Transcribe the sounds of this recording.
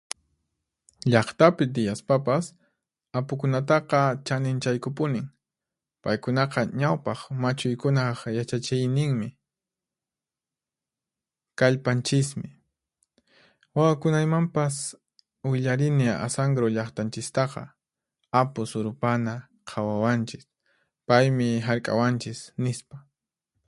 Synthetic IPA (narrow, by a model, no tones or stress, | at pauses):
ʎɑχt̪apɪt̪ɪjaspapas | apʊkʊnat̪ɑqɑt͡ʃanɪnt͡ʃajkʊpʊnɪŋ | pajkʊnɑqɑɲawpɑχmat͡ʃʊjkʊnɑχjat͡ʃat͡ʃɪjnɪŋmɪ | kaʎpant͡ʃɪsmɪ | wawakʊnajmampas | wɪʎaɾɪnɪa̰saŋɡɾoʎɑχt̪ant͡ʃɪst̪ɑqɑ̰ | apʊsʊɾʊpana | qʰawawant͡ʃɪs | pajmɪɦaɾkʼa̰want͡ʃɪsnɪspa